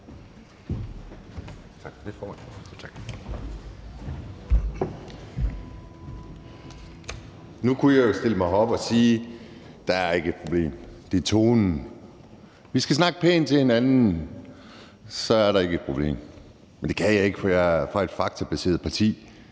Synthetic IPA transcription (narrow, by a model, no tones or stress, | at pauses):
t͡sʰɑɡ̥d̥efɒːmænt͡sʰɑɡ̥ | nukʰujɑjo̝sd̥e̝ləmɑ̈ɪɒ̽b̥ɒ̽siː | d̥ɑ̈æɐe̝ɡ̥əe̝d̥̚pʰʁob̥le̝̰ːmd̥e̝ɐt͡sʰo̝ːnn̩ | ʋisɡ̥æsnɑ̈ɡ̥ə̥pʰḛːn̩t͡sʰe̝he̝nænn̩ | sɒ̽æɐɾɑ̈e̝ɡ̥əed̥̚pʰʁo̝b̥le̝̰ːm | mend̥e̝kʰæjɑ̈ɪe̝ɡ̥əfɒjɑfʁɑ̈e̝d̥fɑ̈ɡ̥̚t͡sʰæb̥æse̝̰ːɐð̩ˠpʰɑ̈t͡sʰḭː